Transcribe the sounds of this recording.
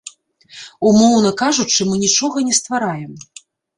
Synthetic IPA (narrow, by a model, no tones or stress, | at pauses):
umɔwnɐkaʐut͡ʂɨmɨnʲit͡ʂɔɣɐnʲɛst̪vaɾajɛm